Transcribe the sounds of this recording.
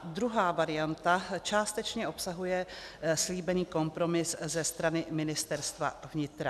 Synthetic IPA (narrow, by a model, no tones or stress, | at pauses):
d̪ɾuɦaːvaɾɪjant̪at͡ʃaːst̪ɛt͡ʃɲɛʔo̞psaɦujɛsliːbɛniːko̞mpɾo̞mɪszɛst̪ɾanɪmɪnɪst̪ɛɾst̪va̰vɲɪt̪ɾa